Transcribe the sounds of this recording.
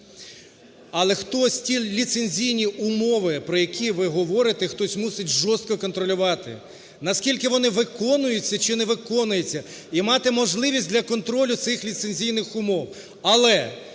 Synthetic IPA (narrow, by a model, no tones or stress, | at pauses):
ɐlˠɛxt̪ɔsʲtʲilʲit̪senʲzʲijnʲiʊmɔʋɪpɾɔjɐkʲiʋɪɦɔʋɔɾɪt̪ɛxt̪ɔsʲmusɪtʲʒɔst̪kɔkɔnt̪ɾɔlʲʊʋɑt̪ɪ̰ | nɐskʲilʲkɪʋɔnɪʋɪkɔnʊjʊt͡sʲːɐt͡ʃɪnɛʋɪkɔnʊjet͡sʲːɐ | imɑt̪ɪmɔʒlˠɪʋʲisʲtʲd̪ʲlʲɐkɔnt̪ɾɔlʲʊt̪sɪxlʲit̪senʲzʲijnɪxʊmɔw | ɐlˠɛ